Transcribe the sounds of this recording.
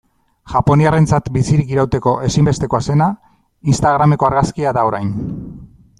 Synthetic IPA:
ʝapo̞niare̞nt͡sat̪bisiɾikiɾawt̪e̞ko̞ʔe̞simbe̞st̪e̞ko̞ase̞na | inst̪aɣ̞ɾame̞ko̞aɾɣaskiaðaoɾajn

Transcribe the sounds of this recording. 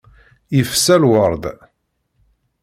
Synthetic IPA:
ifsːælwəɾˤd̪

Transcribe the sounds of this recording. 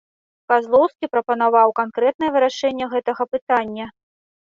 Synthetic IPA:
kazlˠɔwskʲipɾɐpɐnavawkankɾɛt̪̚nɐjɛvɨɾaʂɛnʲːɛɣɛt̪ɐɣɐpɨt̪anʲːɐ

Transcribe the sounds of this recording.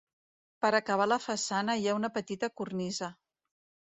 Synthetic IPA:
pəɾəkəβ̞aləfəsanəjaunəpət̪it̪əkurnizə

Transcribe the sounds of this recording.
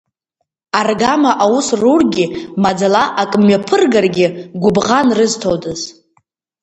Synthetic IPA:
arɡamaʔawusrurɡʲɪmad͡zalaʔakʼmɥapʰɨrɡarɡʲɪɡʷʊbʁanrɨztʰowdɨz

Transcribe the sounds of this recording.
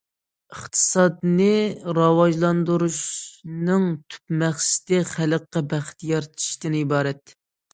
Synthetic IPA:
əχt̪ʰɨ̥sɑd̪nɨɾɑwɑʒlˠɑnd̪uɾuʃnɨŋt̪ʰy̥pmæχsɪ̥t̪ɛχæləqːɑbæχt̪jɑɾt̪ʰi̥ʃt̪ɪnɪibɑːɾɛt̪

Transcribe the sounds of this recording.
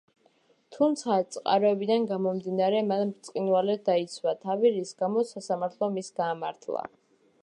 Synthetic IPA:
t̪ʰumt̪sʰat̪sʼqʼa̰ɾɔɛbid̪anɡamɔmd̪inaɾɛmanmɾt̪sʼqʼinwalɛd̪ait̪sʰwat̪ʰaviɾisɡamɔsasamaɾt̪ʰlˠɔmisɡaːmaɾt̪ʰlˠa̰

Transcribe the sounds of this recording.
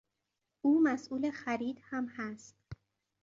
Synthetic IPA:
ʔuːmæsʔuːlexæɾiːd̪hæmhæst̪

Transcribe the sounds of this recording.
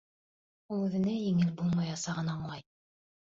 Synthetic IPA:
ulˠʉðɘ̆næjɘ̆ŋɘlbulˠmɑjɑsɑʁɤnɑoɴlˠɑj

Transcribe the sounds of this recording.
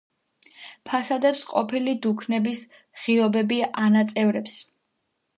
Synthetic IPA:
pʰasad̪ɛpsqʼɔpʰilid̪ukʰnɛbis | ʁ̥iɔbɛbianat̪sʼɛvɾɛps

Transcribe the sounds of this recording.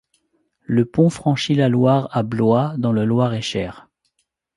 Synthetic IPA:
ləpɔ̃fχɑ̃ʃilalwaʁablwad̪ɔ̃lalwaʁɛʃɛːʁ

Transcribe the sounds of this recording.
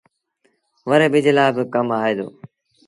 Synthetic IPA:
ʋəɾeːɓɪd͡ʒeːlaːbɪkəmaːeːd̪o̰ː

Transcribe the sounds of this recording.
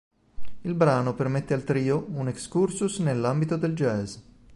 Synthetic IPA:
ilbɾaːnopermet̪ːealt̪ɾiːounekskursusnelːambit̪od̪eld͡ʒɛz

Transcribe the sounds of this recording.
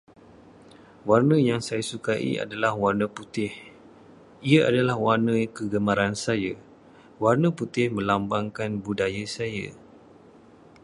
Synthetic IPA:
warnəjaŋsajasukaʔḭʔa̰dalahwarnəput̪ɪh | iaadalahwarnə̃kəɡəmãɾansaja | warnəput̪ɪhmə̃lambaŋkanbudajasajə̰

